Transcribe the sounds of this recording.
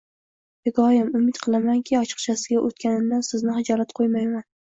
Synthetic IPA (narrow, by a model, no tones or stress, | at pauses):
pɪɡɒjamʊmɪt̪qʰɨlˠamaŋkʲʰiɒt͡ʃʰɨ̥qt͡ʃʰasɪɡʲaʔot̪̚kʲʰanɪnd̪ansɪznɪχɪd͡ʒɒɾat̪qʰojmajman